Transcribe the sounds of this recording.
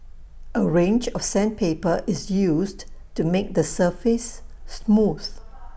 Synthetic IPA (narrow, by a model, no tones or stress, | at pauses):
ʔəɹẽnd͡ʒɔfsɛ̃npʰepəʔɪsjusdtumek̚d̪əsəfɪsːmuθ